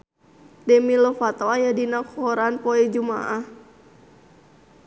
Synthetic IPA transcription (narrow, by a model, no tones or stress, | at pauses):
dɛmilɔfat̪oajadinakhɔɾanpɔɛd͡ʒuma̰ʔah